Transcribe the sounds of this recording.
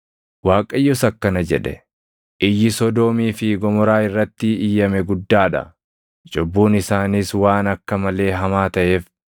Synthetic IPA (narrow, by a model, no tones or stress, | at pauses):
waːkʼɐjːʊsɐkːɐnɐd͡ʒɛᶑɛ̰ | ʔɪjːɪsɔd̪oːmiːfɪɡɔmɔɾaːɪrːɐt̪ːɪɪjːɐmɛɡʊd̪ːaːᶑɐ̰ | d͡ʒɔbːuːnɪsaːniswaːnɐkːɐmɐle̞ːɦɐmaːt̪ɐʔe̞ːf